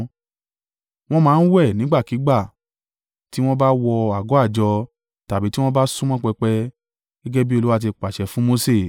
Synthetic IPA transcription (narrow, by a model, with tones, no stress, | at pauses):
w̃ɔ̃˦mãː˨˦n̩˦wɛ˦˨nĩ˨˦ɡ͡ba˦˨ki˨˦ɡ͡ba˦˨ | ti˦w̃ɔ̃˦ba˦wɔ˧a˨ɡɔ˨˦a˦˨d͡ʒɔ˧ | ta˨bi˨˦ti˦w̃ɔ̃˦ba˦sũ˦mɔ̃˦k͡pɛ˧k͡pɛ˧ | ɡ̥ɛ˦ɡɛ˦bi˦o˧lu˦wa˦˨t̬i˧k͡pa˨ʃɛ˨fũ˨˦mo˧se˦˨